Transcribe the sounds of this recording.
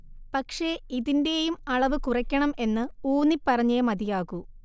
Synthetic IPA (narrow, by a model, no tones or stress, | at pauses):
pɐkʂe̞iðinde̞jumɐɭɐʋɨkurɐkʲːɐɳɐme̞nːɨuːnipːɐrɐɲːemɐðijaːɣu